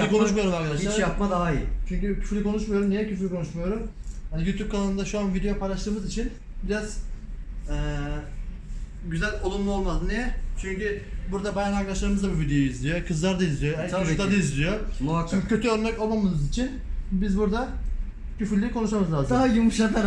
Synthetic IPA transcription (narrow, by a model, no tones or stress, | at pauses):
likʰo̞nuʃmajo̞ɾumaɾkʰad̪aʃilˠaɾjap̚mad̪aɦait͡ʃʰyɲcycʰy̥fɾlʲikʰo̞nuʃmajo̞ɾumnijɛcʰyflʲikʰo̞nuʃmujo̞ɾumhanijuːt̪ʰup̚kʰananɯnd̪aʃuanvid̪ejopʰajlˠaʃlˠɯːmɯzit͡ʃʰin | biɾaz | ɛː | ɟyzælʲolˠunmˠuo̞lˠmad̪ɯmnijɛt͡ʃʰyɲcybuɾd̪abajanaɾkd̪aʃlˠaɾɯmɯzd̪abuvid̪ejoizlʲijo̞kʰɯzlˠaɾd̪aizlʲijoɦɛt̪ad̪aizlʲijomuakokːcʰːø̞t̪ʰyøɾnɛco̞lˠmamɯnɯzit͡ʃʰin | bizbuɾd̪a | cʰyfyɾlʲikʰo̞nuʃamɯzlʲaːzaɦajumuʃaklaɾ